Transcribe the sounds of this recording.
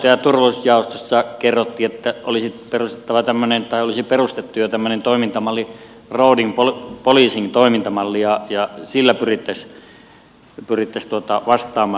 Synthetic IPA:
t̪ɑjɑt̪urʋousjɑˑost̪osːɑkerːot̪ːiet̪ːæʔolisit̪perust̪e̥t̪ːɑʋɑt̪æmːønent̪ɑˑiolisiperust̪et̪ːujot̪æmːønent̪oˑimint̪ɑmɑlːi | roˑudiŋpolpoliːsint̪oˑimint̪ɑmɑlːijɑjɑsilːæpyrit̪ːæs | pyrit̪ːæst̪uot̪ɑʋɑst̪ˑɑːmɑː

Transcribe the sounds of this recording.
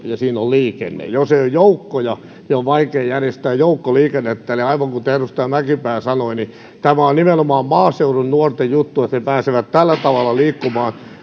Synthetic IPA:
jɑsiːnolliːkḛnːḛjoseiojjoukːojɑ | eoʋʋɑikeːjærjest̪æːjjoukːoliːkenːet̪ːæːliɑiʋɑŋkut̪ehrust̪ɑːmækipæːsɑnoini | t̪æmæonnimenomɑːmmɑːseurunnuɔrt̪ejjut̪ːuet̪nepæːseʋæt̪t̪ælːæt̪ɑʋɑlːˑɑliːkːumɑːn

